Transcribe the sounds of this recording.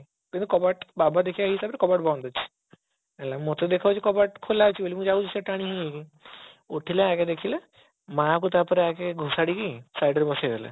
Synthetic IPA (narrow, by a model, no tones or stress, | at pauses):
kint̪ukɔbaʈbabad̪ekʰibaɦisabɾekɔbaʈbawnd̪ɔt͡ʃʰi̥ | ɛlamot̪ed̪ekʰabt͡ʃʰikɔbaʈkʰolat͡ʃʰibolimũd͡ʒaut͡ʃʰiseʈaɽ̃ĩɦĩki | oʈʰileak̬ed̪ekʰile | mãkut̪aɾpɔɾeakeɡʱusaɽikisajɖəɾbɔsajd̪ela̰